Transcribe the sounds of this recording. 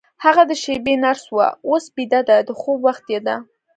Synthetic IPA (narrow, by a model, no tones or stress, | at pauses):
haʁad̪əʃebenaɾswa̰osbid̪ad̪ad̪əχubwaχt̪jad̪a